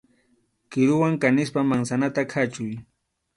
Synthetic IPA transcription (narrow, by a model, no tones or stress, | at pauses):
kɪɾʊwaŋkanɪspamaŋsanat̪akʰat͡ʃʊj